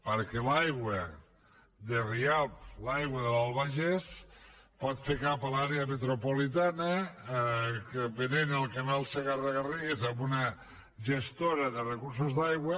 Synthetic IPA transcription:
pəɾkelajɣwə | ðeriap̚lajɣwəðəlalˠβaʒɛspɔt̪fekapəlaɾeəmet̪ɾopolit̪̬anə | keβenenelˠkemɛlˠseɣaraɣariɣezambunə | ʒəst̪oɾəðərəkuɾs̬uzðajɣwə

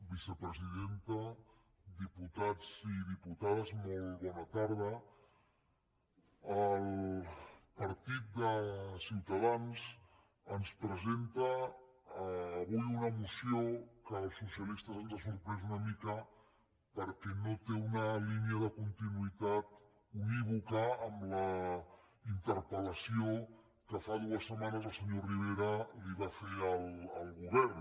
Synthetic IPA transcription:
bisəpɾəziðent̪ə | d̪iput̪ad͡ziðiput̪aðəzmolˠβɔnət̪aɾð̞ə | əl | pəɾt̪it̪̚d̪əsiwt̪əðanz | ənspɾəzent̪əː | βujunəmusiokəlˠsusjəlist̪əzanzasuɾpɾɛz̬unəmikə | pəɾkɛnot̪eunəliniəðəkunt̪inuit̪at̪ | umiβukəːmlə | int̪əɾpələsio | kəfaðuəsːəmanəzəlˠsəɲoriβ̞eɾəliβafeɾəlˠəlˠɣuβɛɾn

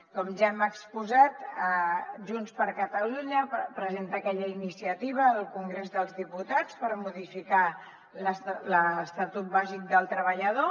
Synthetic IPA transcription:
kɔmʒaɛməkspuzat̪əʒunspəɾkət̪əluɲəpɾəzent̪əːkɛʎəinisiət̪iβ̞əːlˠkuŋɡɾezðəlˠzðiput̪at͡spəɾmuðifika | ləsləst̪ət̪ut̪̚bazik̚d̪əlˠt̪ɾəβəʎəð̞o

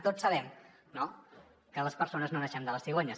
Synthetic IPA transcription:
t̪osəβɛm | no | kələspəɾsonəznonɛʃɛmd̪ələsiɣoɲəs

